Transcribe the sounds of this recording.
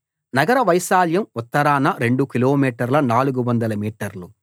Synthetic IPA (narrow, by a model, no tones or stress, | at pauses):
nɐɡɐɾɐʋɐjsaːljɐmut̪ːɐɾaːnɐɾeɳɖukiloːmiːʈɐɾlɐnaːluɡuʋɐnd̪ɐlɐmiːʈɐɾlu